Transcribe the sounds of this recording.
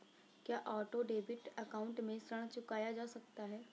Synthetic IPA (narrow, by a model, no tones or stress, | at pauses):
kjaːʔɔːʈoɖeːbɪʈɐkaːʊ̃ɳʈmẽsɾəɽ̃t͡ʃʊkaːjad͡ʒaːsɐkt̪aɦɛː